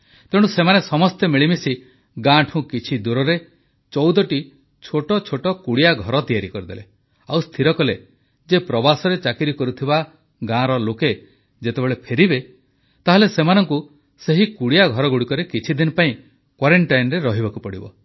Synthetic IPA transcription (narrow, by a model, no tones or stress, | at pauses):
t̪eɽ̃usemanesɔmɔst̪emiɭimesi | ɡãʈʰũkit͡ʃʰid̪uɾɔɾe | t͡ʃɔwd̪ɔʈi | t͡ʃʰoʈɔt͡ʃʰoʈɔkuɽijaɡʱɔɾɔt̪ijaɾikɔɾid̪ḛle | awst̪ʰiɾɔkɔle | d͡ʒepɾɔbasɔɾet͡ʃakiɾikɔɾut̪ʰiba | ɡãɾɔloke | d͡ʒet̪ebeɭepʰeɾibe | t̪aɦelesemanɔŋku | seɦikuɽijaɡʱɔɾɔɡuɽikɔɾekit͡ʃʰid̪inɔpaĩ | kwaɾeɳʈajnɔɾeɾɔɦibakupɔɽḭbɔ̰